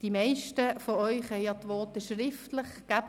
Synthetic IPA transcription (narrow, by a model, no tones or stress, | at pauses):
d̥imɛɪʃtəfɔœʏχɦɛɪjjɑt̪ʋɔːtəʃrɪftlɪχɡ̥æb